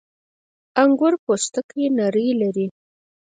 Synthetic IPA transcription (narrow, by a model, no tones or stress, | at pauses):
aŋɡʊɾpost̪əkjenaɾəjlaɾi